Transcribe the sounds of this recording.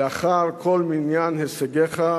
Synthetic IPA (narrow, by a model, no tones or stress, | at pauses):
aχaʁkʰolminjanheseɡeχa